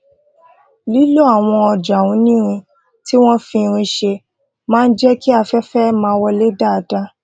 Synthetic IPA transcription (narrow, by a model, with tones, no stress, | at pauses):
li˦lo˦a˨w̃ɔ̃˧ɔ˧d͡ʒa˨wũ˨˦nĩ˦ɾ̃ĩ˧ | ti˦w̃ɔ̃˦fĩ˧ɾ̃ĩ˧ʃe˧ | mãː˦˧n̩˦d͡ʒɛ˦ki˦a˧fɛ˦fɛ˦mãː˧˦˧wɔ˧le˦da˦˨a˨da˦